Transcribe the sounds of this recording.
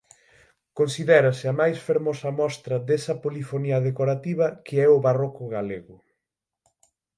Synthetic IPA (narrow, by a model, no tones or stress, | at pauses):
konsiðɛɾɐsɪɐmajsfeɾmɔsɐmɔst̪ɾɐðesɐpolifoniɐðekoɾat̪iβ̞ɐkeɛʊβarɔkʊɣaleɣʊ